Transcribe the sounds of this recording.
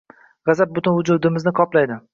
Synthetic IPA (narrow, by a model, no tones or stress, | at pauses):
ʁɑzap̚bʊt̪ɪnhʊd͡ʒud̪ɪmɪznɪqʰɒplajd̪ɪ